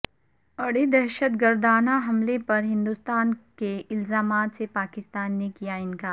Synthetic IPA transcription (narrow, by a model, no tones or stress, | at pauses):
ɐɽed̪ɛɾʃət̪ɡəɾd̪aːnaɦɐmlepɐɾɦɪ̃nd̪ʊst̪aːnkeɪlzaːmaːt̪sepaːkɪst̪aːnːekijaɪnkaː